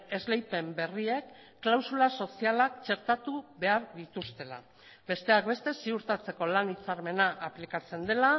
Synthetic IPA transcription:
e̞zlejpe̞mbe̞rie̞kː | lawsulaso̞sialakt͡ʃe̞ɾt̪at̪uβe̞aɾðit̪ust̪e̞la̰ | be̞st̪e̞ak̚be̞st̪e̞siuɾt̪at͡se̞ko̞lanit͡saɾme̞naʔaplikat͡se̞nd̪e̞la

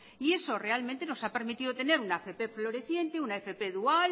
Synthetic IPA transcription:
ie̞so̞re̞alment̪e̞no̞sape̞ɾmit̪iðot̪e̞ne̞ɾunaefe̞pe̞flo̞ɾe̞θje̞nt̪e̞unaefe̞pe̞ðual

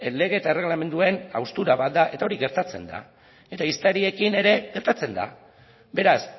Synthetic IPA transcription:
le̞ɣ̞e̞ːt̪aere̞ɣlame̞nd̪ue̞na̰wst̪uɾaβat̪̚d̪aʔe̞t̪ao̞ɾiɣe̞ɾt̪at͡se̞̰nd̪a̰ | e̞t̪aist̪eɾie̞kine̞ɾe̞ɣeɾt̪at͡se̞nd̪a̰ | be̞ɾas

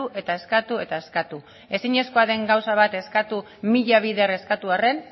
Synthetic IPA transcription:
uʔe̞t̪ae̞skat̪ue̞t̪ae̞skat̪u | e̞siɲe̞sko̞aðe̞ŋɡawsaβ̞at̪e̞skat̪u | miʎaβ̞iðere̞skat̪uare̞n

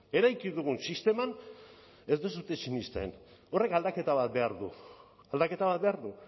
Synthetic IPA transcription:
e̞ɾajkiðuɣ̞unsist̪e̞man | e̞zd̪e̞s̬ut̪esinist̪aḛno̞re̞kald̪ake̞t̪aβat̪̚be̞aɾðu | ald̪ake̞t̪aβat̪be̞aɾðu

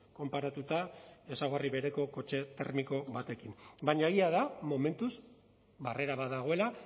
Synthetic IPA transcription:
ko̞mpaɾat̪ut̪ae̞saɣ̞oriβe̞ɾe̞ko̞ko̞t͡ʃe̞t̪e̞̰ɾmiko̞βat̪e̞kimbaɲaeɣiaðamo̞me̞nt̪uz | bare̞ɾaβaðaɣ̞o̞e̞la

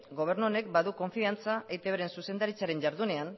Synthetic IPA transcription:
ɡo̞β̞e̞ɾnuo̞ne̞k̚baðuko̞ɱfiant͡saʔejt̪eβeɾe̞nsuse̞nd̪aɾit͡saɾe̞ɲʝaɾðune̞an

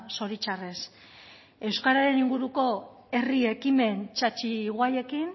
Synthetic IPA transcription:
so̞ɾit͡ʃare̞s | e̞wskaɾaɾe̞niŋɡuɾuko̞ | e̞rie̞kime̞nt͡ʃat͡ʃiɣwaje̞kin

